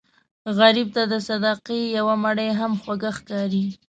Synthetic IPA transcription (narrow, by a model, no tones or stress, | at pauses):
ɣaɾib̚t̪ad̪əsad̪ɑqejawamaɽəjɦamxwaɡaxkɑɾi